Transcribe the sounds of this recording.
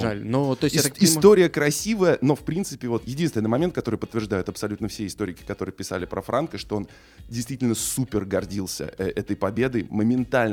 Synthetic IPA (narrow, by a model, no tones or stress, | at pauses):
ʐalʲnot̪ːosʲakɪst̪o̞ɾʲɪjəkɾɐsʲivəjəno̞fpɾʲint̪sɨpʲɪvo̞t̪jɪdʲinst̪ʲɪnɨmɐmʲent̪̚kɐt̪o̞ɾɨjpət̪ːvʲɪrʐd̪ajʊt̪ɐpsɐlʲut̪nəfsʲeɪst̪o̞ɾʲɪkʲɪ̥kɐt̪o̞ɾɨjəpʲɪsa̰lʲɪpɾəfɾʔankəʂt̪o̞o̞n | dʲɪjst̪vʲitʲɪlʲnəsupʲɪrɡɐrdʲilˠsʲə̰ɛt̪əjpɐbʲed̪ɨjməmʲɪnt̪alʲn